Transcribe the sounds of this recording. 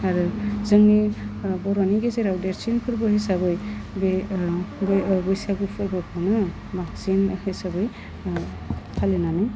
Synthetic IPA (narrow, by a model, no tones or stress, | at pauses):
aɾɯzɯŋnibɔɾaniɡezeɾawdeɾt͡ʃinkʰɯɾbɯhesabɯjbe | bbɯjsaɡɯpʰɯɾbɔkʰɯnɯ | baksinhesabɯj | tʰalenanɯ